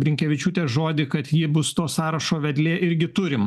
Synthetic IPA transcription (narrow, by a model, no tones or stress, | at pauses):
bʲɾʲɪŋʲkʲɛʋʲɪt͡ʃʲuːt̪ʲeːsʒoːd̪ʲɪkɐt̪jɪbʊst̪oːsɑːɾɐʃoːʋʲɛd̪ʲlʲeːʔɪɾʲɡʲɪt̪ʊɾʲɪm